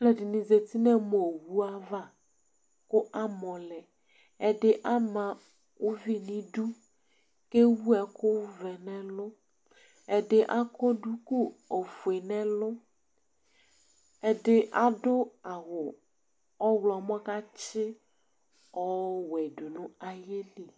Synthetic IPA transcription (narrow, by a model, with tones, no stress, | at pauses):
lɛ˨di˨nĩ˨ze˨t̪i˦nɛ̃˦mo˨wu˦a˦va˦ | kʊ˦ʔa˦mɔ̃˨lɛ˨ | ɛ˨ɖɪ˦ʔa˦mã˨ | wo˦vi˦nĩ˦ɖu˦ | ke˦wu˦ɛ˨kʊ˦wvɛ˨nɛ̃˦lʊ˦ | ɛ˨ɖɪ˦ʔa˦kɔ˦ɖu˦ku˦o˨fu˨e˨nɛ̃˦lʊ˦ | ɛ˦ɖɪ˦ʔa˦ɖʊ˦a˨wʊ˨ | ɔ˦wlɔ˨mɔ̃˦ka˦t͡ʃɪ˦ | ɔ˦wɛ˨ɖu˨nʊ̃˦a˨je˦li˨